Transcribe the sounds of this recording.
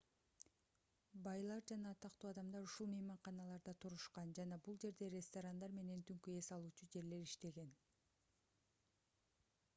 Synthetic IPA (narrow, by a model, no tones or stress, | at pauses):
bɑjlˠɑɾd͡ʒɑnɑt̪ʰɑqt̪uːɑd̪ɑmd̪ɑɾuʃulˠmɯjmɑɴqɑnɑlˠɑɾd̪ɑt̪ʰuɾuʃqɑnd͡ʒɑnɑbulˠd͡ʒe̞ɾd̪e̞ɾʲest̪oɾand̪ɑɾme̞ne̞nt̪ʰyŋkye̞sɑlˠuːt͡ʃud͡ʒe̞ɾle̞ɾiʃt̪e̞ɡe̞n